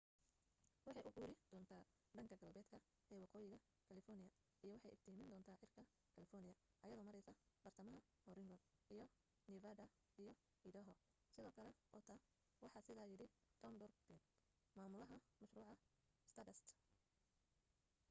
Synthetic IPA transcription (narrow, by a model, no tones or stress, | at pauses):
wɑħɑjʔʊʔuːɾɪd̪̥ɔːnt̪ʰaː | ɖɐŋkʰɐɡɐlbɛːd̪kʰɐ | ɛjwɑqɔːjɪɣɐ | kʰɐlɪfɔrnɪjɐ | ijɔwɑħɑjɪbt̪ʰɪiːmɪnd̪ɔːnt̪ʰaːħɪrkʰɐ | kʰɐlɪfɔrnɪjɐʔɐjɐðɔːmɐɾɛsɐb̥ɐrt̪ʰɐmɐɦɐ | hɔɾɪŋɡɔnijɔ | nɪvɐdɐ | ijɔ | hid̪ɐɦɔ | sɪðɔːkʰɐlɛʔɔːt̪ʰa | wɑħɑːsɪðaːjɪɽɪkʰɐndɔrb̪ɪn | maːmʊlɐɦɐmɐʃɾuːʕɑ | st̪ʰɐdɛst̪